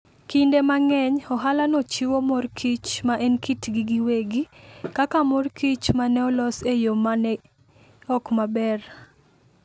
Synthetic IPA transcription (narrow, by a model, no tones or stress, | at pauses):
kindemaŋɛɲɔɦalanɔt͡ʃiwomɔrkʰit͡ʃmaʔɛnkitɡiɡiweɡikakamɔrkit͡ʃmanɛɔlɔsejomanɛ | ɔkmabɛr